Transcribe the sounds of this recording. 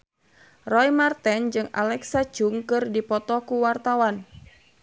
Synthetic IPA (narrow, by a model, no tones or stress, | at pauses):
rɔjmart̪ɛnd͡ʒɨŋa̰lɛksḁd͡ʒuŋkɨrdipɔt̪ɔkuwart̪awan